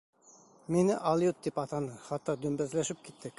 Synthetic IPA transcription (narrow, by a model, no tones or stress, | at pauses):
menɪʔɑlˠjut̪̚d̪ipɑt̪ɑnɤχɑt̪ːɑd̪ɵmbæzlæʃɪp̚kit̪ːɪkʲ